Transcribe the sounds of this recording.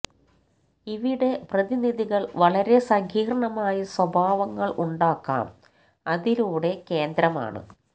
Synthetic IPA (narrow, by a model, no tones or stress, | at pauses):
iʋiɽe̞prɐðiniðiɣɐɭʋɐɭɐɾe̞sɐŋhiːɾɐɳɐmaːjɐswɐbʱaːʋɐŋːɐɭʔuɳɖaːkːa̰ːm | ɐðiluːɽe̞ke̞ːnd̪ɾɐma̰ːɳɨ̰